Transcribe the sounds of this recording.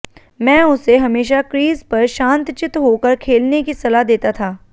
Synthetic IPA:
mɛ̃ːʊseɦɐmeːʃakɾiːzpɐɾʃãːnt̪t͡ʃɪt̪ɦokəɾkʰeːlnekisɐlaɦd̪eːt̪at̪ʰaː

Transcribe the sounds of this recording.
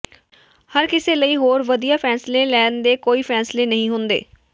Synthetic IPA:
həɾkɪseːləiːɦoːɾʋəd̪ijaːpʰɛːsleːlɛːnd̪eːkoːiːpʰɛːsleːnəɦĩːɦʊnd̪ḛː

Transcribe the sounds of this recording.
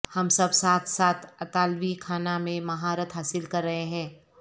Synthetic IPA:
hɐmsɐbsaːt̪ʰsaːt̪ʰɐt̪aːlʋikʰaːnamẽmɐɦaːɾət̪ɦaːsɪlkɐɾːɐɦeɦɛ̃ː

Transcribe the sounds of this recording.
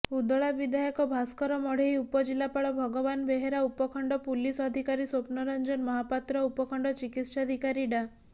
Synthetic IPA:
ud̪ɔɭabid̪ʱajɔkɔbʱaskɔɾɔmɔɽ̤ejupɔd͡ʒilapaɭɔbʱɔɡɔbanbeɦeɾaupɔkʰɔɳɖɔpulisɔd̪ʱikaɾisopnɔɾɔnd͡ʒɔnmɔɦapat̪ɾɔupɔkʰɔɳɖɔt͡ʃikit̪ʃad̪ʱikaɾiɖa

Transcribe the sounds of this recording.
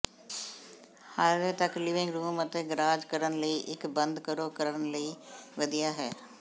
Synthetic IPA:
haʋet̪əklɪʋɪ̃ŋɡɾuːmət̪eɡɾaːd͡ʒkəɾənləiːʔɪkbənd̪kəɾoːkəɾəənləiːʋəd̪ijaːɦɛː

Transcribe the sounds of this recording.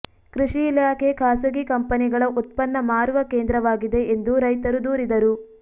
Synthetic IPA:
kɾuʂiːlaːkʰekʰaːsɐɡikɐmpɐniɡɐɭɐʔut̪̚pɐnːɐmaːɾuʋɐkeːnd̪ɾɐʋaːɡid̪e̞end̪uɾɐjt̪ɐɾud̪uːɾid̪ɐɾu

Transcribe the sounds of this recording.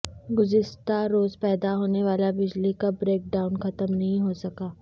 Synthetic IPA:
ɡʊzɪst̪aɾoːzpɛːd̪aɦoːneʋaːlabɪd͡ʒlikabɾeːk̚ɖaːʊnxɐt̪əmnɐɦĩɦoːsɐkaː

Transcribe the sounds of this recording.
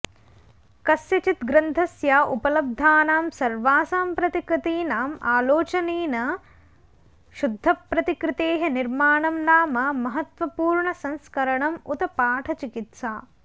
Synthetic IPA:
kɐsjɐt͡ʃit̪ɡɾɐnd̪ʰʱɐsjaːʔupɐlɐb̚d̪ʱaːnaːmsɐɾʋaːsaːmpɾɐt̪ikɾɪt̪iːnaːmaːloːt͡ʃɐneːnɐ | ʃud̪ʱːɐpɾɐt̪ikɾɪt̪eːɦɐniɾmaːɳɐmnaːmɐmɐɦɐt̪ʋɐpuːɾɳɐsɐ̃nskɐɾɐɳɐmut̪ɐpaːʈʰɐt͡ʃikit̪saː

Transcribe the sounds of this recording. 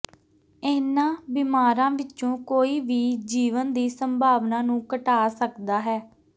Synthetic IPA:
eːnãːbimaːɾãːʋɪt͡ʃõːkoːiːʋiːd͡ʒiːʋənd̪iːsəmbʱaːʋnãːnũːkəʈaːsəkd̪aːɦɛː

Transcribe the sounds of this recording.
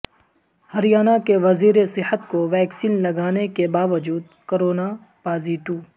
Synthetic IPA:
hɐɾijaːnakeʋɐziːɾesɪhət̪koʋɛːksiːnlɐɡaːnekebaːʋəd͡ʒuːd̪koɾoːna | paːziːʈuː

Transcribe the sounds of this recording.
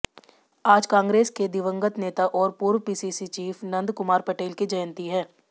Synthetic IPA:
aːd͡ʒkãːŋɡɾeːsked̪ɪʋə̃ŋɡət̪neːt̪aʔɔːɾpuːɾʋpiːsiːsit͡ʃiːfnɐ̃nd̪kʊmaːɾpɐʈeːlkid͡ʒɐjənt̪iɦɛ̃ː

